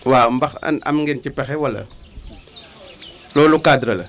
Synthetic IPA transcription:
wambaxa̰na̰mŋɡentipɛxɛwalɐ̰ | lolukadɾɐlɐ

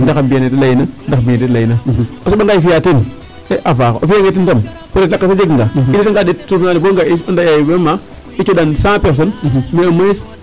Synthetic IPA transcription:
ndakabijanetilajinandakbiatilaina | osoaŋɡaifijatin | seʔavako̰ʔofiaŋɡet̬intom | kodelakːasad͡ʒeɡŋɡaiditiŋɡadetːufnaliboŋɡaisndajajibema | it͡ʃoɗansãpes̬onmeames

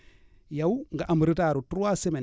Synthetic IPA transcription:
jawŋɡaʔaməɾitaɾutɾuwaseme

